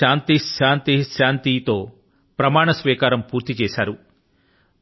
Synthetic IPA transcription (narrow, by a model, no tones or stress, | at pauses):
aːnt̪iʃaːnt̪iʃaːnt̪it̪o̞ː | pɾɐmaːɳɐsʋiːkaːɾɐmpuːɾt̪it͡ʃeːʃaːɾu